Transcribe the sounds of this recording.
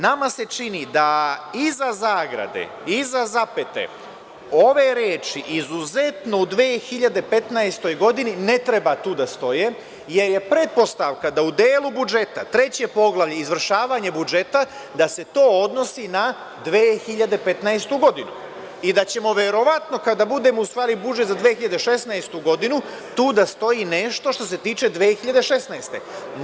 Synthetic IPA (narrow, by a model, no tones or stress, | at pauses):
namase̞t͡ʃinid̪aizazaːɡɾa̰d̪ḛ | izazape̞t̪e̞̰ | o̞ʋeɾeːt͡ʃiʔizuze̞t̪no̞ud̪ʋeːxiʎad̪e̞pe̞t̪naest̪o̞jɡo̞d̪inine̞t̪ɾebat̪uːd̪ast̪o̞je | je̞ɾjepɾe̞t̪̚po̞st̪aʋkad̪aud̪eːlˠubud͡ʒe̞t̪at̪ɾe̞t͡ɕe̞po̞ɡlˠaʋʎeizʋr̩ʃaːʋaɲe̞bud͡ʒe̞t̪a | d̪ase̞t̪o̞ːo̞d̪no̞sina | d̪ʋeːxiʎad̪e̞pet̪naest̪uɡo̞d̪inu | id̪at͡ɕe̞mo̞ʋe̞ɾo̞ʋat̪no̞kad̪abud̪e̞ːmo̞ust̪ʋaːɾibud͡ʒet̪zad̪ʋeːxiʎad̪eʃe̞snaest̪uɡo̞d̪inu | t̪uːd̪ast̪o̞jine̞ʃt̪o̞ʃt̪o̞se̞t̪iːt͡ʃe̞d̪ʋeːxiʎad̪e̞ʃe̞snast̪e̞̰n